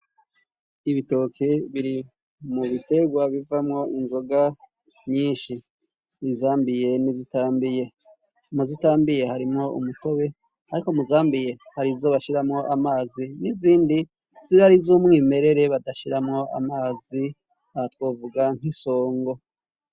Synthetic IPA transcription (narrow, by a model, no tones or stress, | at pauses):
iβito̞kʰeβiɾi | muβite̞ɡwaβivamŋo̞ʔinzo̞ɡa | ɲiːnʃi | izaːmbije̞nizitaːmbije̞ | muzitaːmbije̞haɾimŋo̞ṵmuto̞βe̞ | aɾiko̞muzaːmbije̞haɾizo̞βaʃiɾamŋo̞ʔamaːziniziːndi | ziɾaɾizumŋiːme̞ɾe̞ɾe̞βadaʃiɾamŋo̞ʔa̰maːzi | ahatwoːvuɡaŋ̥iso̞ːŋɡo̞